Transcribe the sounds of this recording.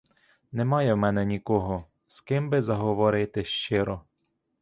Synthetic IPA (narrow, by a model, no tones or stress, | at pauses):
nɛmɑjɛwmɛnɛnʲikɔɦɔ | skɪmbɪzɐɦɔʋɔɾɪt̪ɪʃt͡ʃɪɾɔ